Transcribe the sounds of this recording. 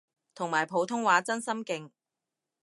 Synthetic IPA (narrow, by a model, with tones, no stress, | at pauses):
t̪ʰʊ˨˩ŋmaː˨˩jpʰo˨˧wt̪ʰʊ˥ŋwaː˨˥t͡sɐ˥nsɐ˥mkɪ˨ŋ